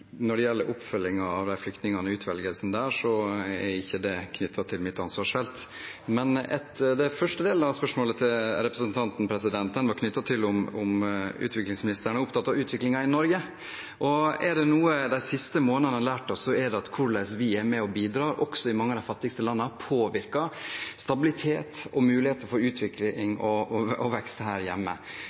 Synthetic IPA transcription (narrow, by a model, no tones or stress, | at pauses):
nɔɖɛjɛlːəɾʔʊpfœlːɪŋɑɑʋd̪æɪflʏkt̪nɪŋɑnəʉːt̪ʰʋɛlɡəlsn̩d̪æːʂɔɛɾɪçːəd̪ɛkʰnʏt̪ʰːɑt̪ʰɪlmɪt̪ːɑnsʋɑːʂfɛlt̪mɛnɛ̰t̪d̪ɛfœʂʈəd̪eːlənɑʋspœʂmoːlət̪ʰɪlɾɛpɾəsənt̪ʰɑnt̪n̩pʰɾɛsɪd̪ɛnt̪̚d̪ɛnʋɑɾkʰnʏt̪ːɑt̪ʰɪlʊmʊmʉ̰ːt̪ʋɪklɪŋsmɪnɪst̪əɾəɳəʊpt̪ʰɑt̪ːɑʉːt̪ʰʋɪklɪŋɑɪnɔɾɡə | ʔɔɛɖɛnuːəd̪æɪsɪst̪əmoːnənənlæːʈɔsːɔɛɖ̪ɛɑt̪kʰʊɾɭæsʋɪɛɾmɛɔbiːd̪ɾɑːɾʔɔksɔɪmɑŋːəd̪æɪfɑt̪ːɪɡst̪əlɑnːəpʰoːʋɪɾkɑst̪ɑbɪlɪt̪ʰeːt̪ɔmʉːlɪheːt̪əfɔɾʉːt̪ʰʋɪklɪŋɔɔʋɛkst̪hæːɾjɛ̰mːə̰